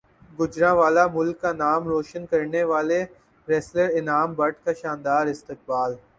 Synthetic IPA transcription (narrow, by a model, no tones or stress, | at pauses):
ɡʊd͡ʒɾãʋaːlamʊlkːanaːmɾoːʃənkɐɾneʋaːle | ɾɛːsləɾɪnaːmbɐʈkaʃãːnd̪aːɾɪst̪ɪk̚baːl